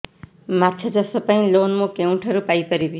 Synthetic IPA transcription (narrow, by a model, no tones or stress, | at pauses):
matːt͡sʰʌd͡zʌsʌpaĩlonmokew̃ɳʈʰʌɾupajpʌɾibi